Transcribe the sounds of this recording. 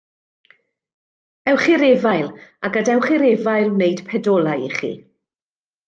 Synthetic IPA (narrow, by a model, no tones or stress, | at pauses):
ɛwχiɾevajlˠaɡədɛwχiɾɛvajlˠneɨd̥pʰɛdɔlˠajḭχḭ